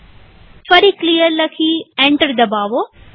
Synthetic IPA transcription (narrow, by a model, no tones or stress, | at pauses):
fɐɾiklijəɾlɐkʰiẽːɳʈəɾd̪ɐbaːʋo